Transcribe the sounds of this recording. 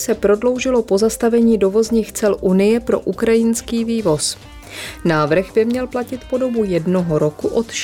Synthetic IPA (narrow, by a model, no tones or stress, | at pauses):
sɛpɾo̞dlo̞wʒɪlo̞po̞zast̪avɛɲiːdo̞vo̞zɲiːxt͡sɛlʔunɪjɛpɾo̞̰ʔukɾajɪnskiːviːvo̞s | naːvr̩ɣbɪmɲɛlplacɪt̪po̞do̞bujɛdno̞ɦoɾo̞kuʔo̞t̪ʃ